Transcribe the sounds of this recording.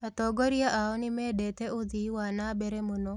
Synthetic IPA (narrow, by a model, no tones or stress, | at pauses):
at̪ɔɡɔɾijaʔaɔnɪmɛdet̪ɛʊðiwanabɛɾɛmono